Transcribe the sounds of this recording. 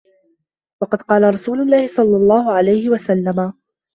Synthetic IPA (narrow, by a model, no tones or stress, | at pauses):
wɑqɑd̪qɑːlaɾˤɑsuːlʊlːaːhɪsˤɑlːɑlˤːɑːhʊʕalajhɪwasalːama